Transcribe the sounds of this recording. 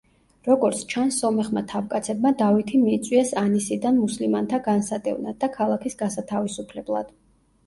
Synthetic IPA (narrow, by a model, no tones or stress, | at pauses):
ɾɔɡɔɾt̪sʰt͡ʃʰansːɔmɛχmat̪ʰavkʼat̪sʰɛbmad̪avit̪ʰimiːt̪sʼwiɛsanisid̪anmuslimant̪ʰaɡansad̪ʼɛ̰vnad̪ːakʰalˠakʰisɡasat̪ʰavisupʰlɛblˠa̰d̪̥